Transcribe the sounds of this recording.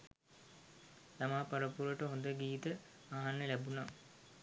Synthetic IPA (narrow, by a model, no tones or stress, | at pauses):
lamaːpɐɾəpuɾəʈəɦond̪əɡiːt̪ə | aɦanːəlæbuna